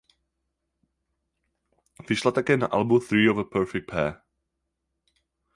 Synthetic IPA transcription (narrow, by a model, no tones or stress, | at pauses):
vɪʃlat̪akɛːna̰ʔalbuθɾiːɔvəpʰɛɹfɛk̚t̪̚pʰɛː